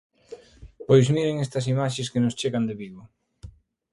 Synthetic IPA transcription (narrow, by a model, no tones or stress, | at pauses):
pojsmiɾeŋest̪ɐsimaʃ̬eskenʊst͡ʃeɣand̪eβiβo